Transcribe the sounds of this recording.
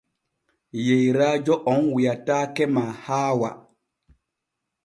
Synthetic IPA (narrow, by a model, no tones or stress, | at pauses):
jejɾaːd͡ʒɔʔɔŋwijatakɛmaːhaːwa̰